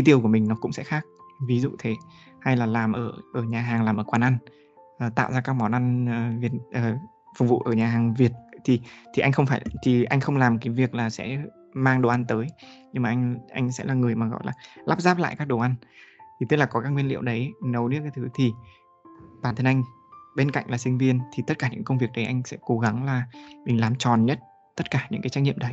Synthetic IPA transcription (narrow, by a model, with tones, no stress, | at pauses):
i˨˦t̪i˧˩əwku˧˩əmï˨˩ŋnɔ˨˦kʊ̰˧˥ŋ͡msɛ̰˧˥xaː˦˥k̚vi˨˦zṵ˧˨t̪ʰe˨˦ | ha˧jlaː˨˩laː˨˩mʔəː˧˩ʔəː˧˩ɲaː˨˩ɦaː˨˩ŋlaː˨˩mʔəː˧˩kwaː˨˩nʔa˧n | ʔəː˨˩t̪a̰ː˧˨wzaː˧kaː˦˥k̚mɔ˨˦nʔa˧nː˨˩vi˨˩t̚ʔəː˨˩ | fʊ˨˩ŋ͡m̚vṵ˧˨ʔəː˧˩ɲaː˨˩ɦaː˨˩ŋvi˨˩ət̚t̪ʰi˨˩t̪ʰi˨˩ʔa˧jŋ̟xə˧wŋ͡mfaː˧˩jt̪ʰi˨˩ʔa˧jŋ̟xə˧wŋ͡mlaː˨˩mkaː˨˦jvi˨˩ək̚laː˨˩sɛ̰˧˥ | maː˧ŋɗo˨˩ʔa˧nt̪əː˨˦jɲɨ˧ŋmaː˨˩ʔjŋʔa˧jŋ̟sɛ̰˧˥laː˨˩ŋɨ˨˩əjmaː˨˩ɣɔ̰˧˨jlaː˨˩la˦˥p̚zaː˦˥p̚la̰ː˧˨jkaː˦˥k̚ɗo˨˩ʔa˧nt̪ʰi˨˩ɨ˦˥k̚laː˨˩kɔ˨˦kaː˦˥kŋwi˧nlḭ˧˨əwɗə˨˦jnə˨˦wnɨ˦˥əkaː˨˦jt̪ɨ˨˦t̪ʰi˨˩ | ɓaː˧˩nt̪ʰə˧nʔa˧jŋ̟ | ɓe˧nka̰˧˨jŋ̟laː˨˩sï˧ŋ̟vi˧ənt̪ʰi˨˩t̪ə˦˥t̚kaː˧˩ɲɨ̰˧˥ŋkə˧wŋ͡mvi˨˩ək̚ɗə˨˦jʔa˧jŋ̟sɛ̰˧˥ko˨˦ɣa˨˦ŋlaː˨˩mï˨˩ŋ̟laː˨˩mt͡ɕɔ˨˩nɲə˦˥t̚ | t̪ə˦˥t̚kaː˧˩ɲɨ̰˧˥ŋkaː˨˦t͡ɕa˦˥k̚ɲḭ˧˨ə˨ɗə˨˦j